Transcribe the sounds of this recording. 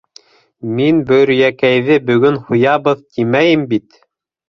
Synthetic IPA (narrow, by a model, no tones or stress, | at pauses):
minbɵ̆ɾjækæjðɘbɵ̆ɡɵnhujɑβɤðt̪imæjɘmbit̪